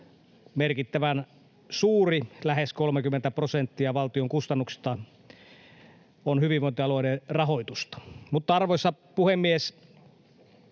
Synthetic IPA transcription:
merkit̪ːæʋæn | suːrilæheskolmekymːent̪æprosent̪ːiɑʋɑlt̪ioŋkust̪ɑnːuksi̥t̪ɑ | onhyʋiʋoint̪eɑloinerɑɦoit̪ust̪ɑ̥mut̪ːɑɑrʋoisːɑ | puhemːies

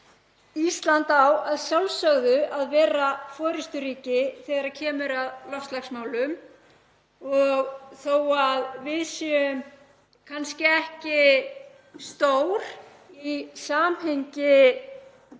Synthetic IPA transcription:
ist̪lant̪awaðsjawlsœɣðʏʔaðvɛːɾafɔːɾɪst̪ʏɾiːcɪθɛːɣaɾaðcʰɛːmʏɾaðlɔft̪laxsmaːwlʏm | ɔɣθowaðvɪðsɛʏm | kʰanscɪɛhcɪ | st̪oːwɾ | isaːmhejɲcɪ

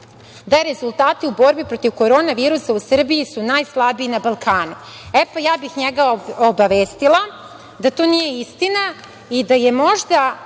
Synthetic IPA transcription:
d̪aɾe̞zulˠt̪aːt̪iubo̞ɾbipɾo̞t̪iʋko̞ɾo̞ːnaʋiːɾusausr̩bijisunaːjslˠabiinabalˠkaːnu | epajaːbixɲeɡaobaʋeːst̪ilˠa | d̪at̪o̞ːnije̞ist̪ina | id̪aje̞mo̞ʒd̪a

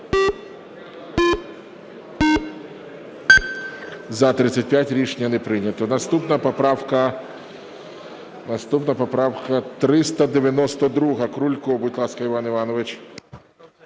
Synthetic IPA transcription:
zɐt̪ɾɪt̪sʲːɐt̚ʲpʲjatʲɾʲiʃnʲɐnɛpɾɪnʲɐt̪ɔnɐst̪upnɐpɔpɾɑwkɐ | nɐst̪upnɐpɔpɾɑwkɐt̪ɾɪst̪ɐd̪eʋʲjɐnɔst̪ɔd̪ɾuɦɐkɾulʲkʊbut̪ʲlˠɑskɐɪʋɑnɪʋɑnɔʋɪt͡ʃʲ

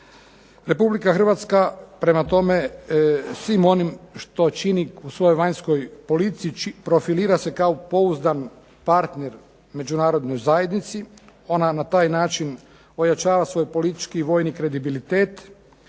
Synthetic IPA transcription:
ɾe̞publikaxr̩ʋat̪skapɾe̞mat̪o̞me̞ | sʋimo̞nimʃt̪o̞t͡ʃiniusʋo̞jo̞jʋaɲsko̞jpo̞lit̪sijit͡ʃipɾo̞filiːɾase̞kaopo̞uzd̪an | paɾt̪ne̞ɾ | me̞d͡ʒunaːɾo̞d̪no̞jzaje̞d̪nit̪sio̞nanat̪aːjnaːt͡ʃin | o̞jat͡ʃaːʋasʋo̞jpo̞lit̪i̥t͡ʃkiːʋo̞ːjnikɾe̞d̪ibilit̪e̞ːt̪

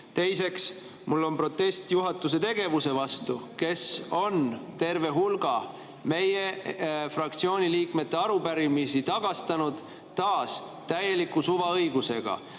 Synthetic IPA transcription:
t̪e̞jse̞ks | mulːo̞npro̞t̪ːˑe̞st̪juɦɑt̪ːˑuse̞t̪e̞ɡ̥e̞vuse̞vɑst̪uke̞so̞nt̪e̞rve̞ɦulɡ̥ɑ | me̞jefrɑk̚t̪sio̞ːnʲiliːkme̞t̪ːe̞ɑɾupæɾimisit̪ɑɡ̥ɑst̪ɑnud̪̥ | t̪ːɑːs | t̪æje̞likːusuvɑɤ̞jɡ̥use̞̰ɡ̥ɑ̰

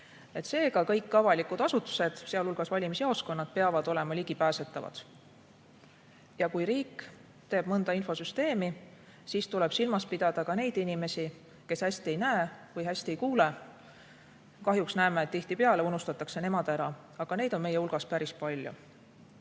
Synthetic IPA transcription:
e̞t̪se̞ːɡɑkɤjkːɑvɑlikud̪̥ɑsut̪ːˑu̥se̞d̪̥seɑlulɡ̥ɑsvɑlʲimisiɑosko̞nːɑd̪̥̚pe̞ɑvɑd̪̥o̞le̞mɑliɡ̥ipæːse̞t̪ˑːɑvɑ̰d̪̥ | jɑkujɾiːkː | t̪e̞ːb̥mɤnd̪ɑinfo̞syst̪e̞ːmi | siːst̪ule̞b̥silmɑspid̪̥ɑd̪̥ɑkɑne̞jd̪inime̞si | ke̞shæsʲt̪ie̞jnæevɤjɦæsʲt̪ie̞jkuːle | kɑɦjuksnæemeːt̪t̪ːiht̪ipe̞ɑle̞unust̪ɑt̪ːˑɑkse̞ne̞mɑd̪̥æɾɑ | ɑɡ̥ɑne̞jd̪̥o̞nme̞jeulɡ̥ɑspæɾispɑlʲjṵ

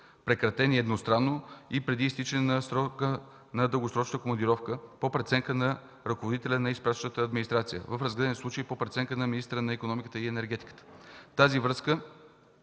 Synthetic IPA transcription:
pɾɛkɾɐt̪ɛniɛd̪nost̪ɾanːoipɾɛd̪iːst̪it͡ʃɛnnɐsɾɔkə | nɐd̪əlˠɡosɾɔt͡ʃnəkomɐnd̪iɾɔfkəpopɾɛt̪sɛŋkənɐ | ɾɐkovod̪it̪ɛlʲənɐispɾat͡ʃnət̪əːd̪minist̪ɾat̪sijə̰vəfɾɐzɡlɛd̪ɛnislˠut͡ʃəipopɾɛt̪sɛŋkənɐminist̪əɾənɐikonɔmikət̪əiɛnɛɾɡɛt̪i̥kə̥t̪ə̥t̪azivɾɤskə

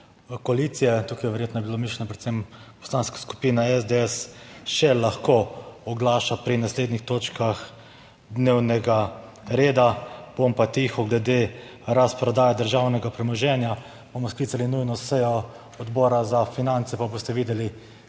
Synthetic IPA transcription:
koalit̪sijɛt̪uːkajɛʋɛɾjeːt̪nɔjɛbilomiʃlɛnɔpɾɛt̪sempɔ̥slaːnskḁsku̥piːnaɛzd̪eɛsʃɛlaxkoɔɡlaːʃapɾinasleːd̪nixt̪oːt͡ʃkax | d̪neːwnɛɡa | ɾeːd̪ab̥ompat̪iːxɔɡlɛd̪e | ɾaspɾɔd̪aːjad̪əɾʒawnɛɡapɾɛmɔʒɛnja | b̥omɔskliːt̪salinujnɔsɛjɔ | ɔd̪bɔːɾazafinant̪sɛpaboːst̪ɛʋiːd̪ɛli

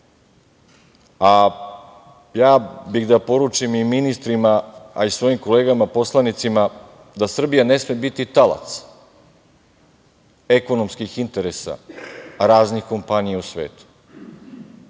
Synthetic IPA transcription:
a | jaːbiɣd̪apo̞ɾut͡ʃimiminist̪ɾimaːisʋo̞jimko̞leːɡamapo̞slˠanit̪sima | d̪asr̩bijane̞smiebit̪it̪ala̰t̪s | e̞ko̞nomskixint̪e̞ɾesa̰ɾaːznixko̞mpanijeusʋḛːt̪u̥

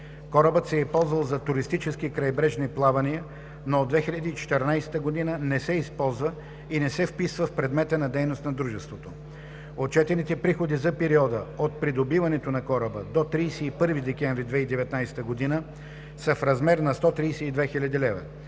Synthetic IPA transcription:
kɔɾəbət̪sɛipɔlˠzvɐlˠzɐt̪uɾist̪it͡ʃɛsk̟ikɾɐjbɾɛʒniplˠavɐniə | noːd̪vɛxilʲʎʲɐd̪iːt͡ʃɛ̥t̪ɛɾnajsɛ̥t̪əɡod̪inənɛsɛispɔlˠzvə | inɛsɛfpisvəfpɾɛd̪mɛt̪ənɐd̪ɛjnost̪nɐd̪ɾuʒɛst̪vot̪o | ot̪t͡ʃɛt̪ɛnit̪ɛpɾixod̪izɐpɛɾiɔd̪əot̪̚pɾid̪obivɐnɛt̪onɐkɔɾəbə̰d̪ot̪ɾijsɛipɤɾvid̪ɛkɛɱvɾid̪vɛid̪ɛvɛt̪najsɛ̥t̪əɡod̪inə | sɐfɾɐzmɛɾnɐst̪ɔt̪ɾijsɛid̪vɛxilʲɐd̪ilɛvɐ̰

